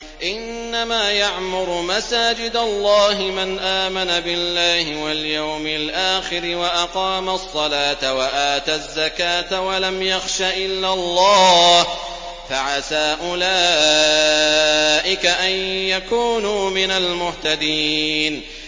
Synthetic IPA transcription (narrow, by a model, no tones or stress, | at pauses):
ʔɪnːamaːjaʕmʊɾʊmasaːd͡ʒɪd̪alˤːɑːɦɪmanʔaːmanabɪlːaːhɪwaljawmɪlʔaːxɪɾɪwaʔɑqɑːmasˤːɑlaːt̪awaʔaːt̪azːakaːt̪awalamjaxʃaːʔɪlːalˤːɑːh | faʕasaːʔʊlaː | ʔɪkaʔanjakuːnuːmɪnalmʊht̪ad̪iːn